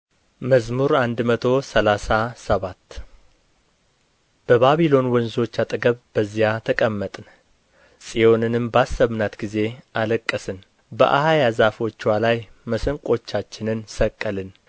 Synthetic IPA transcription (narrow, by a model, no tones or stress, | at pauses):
məzmuɾand̪mət̪ʰo̞səlasasəβat̪ː | b̥əβaβilo̞nwɔnzo̞t͡ʃːat̪ʼɨɡəβb̥əzijat̪ʰəkʼəmːət̪ʼn | sʼijo̞nɨnɨmbasːəβnat̪ɡize̞ʔaləkʼːəsɨn | bə̰ʔa̰hajazafo̞t͡ʃːwalajməsəŋkʼo̞t͡ʃːat͡ʃːɪnɨnsəkʼːəlɨn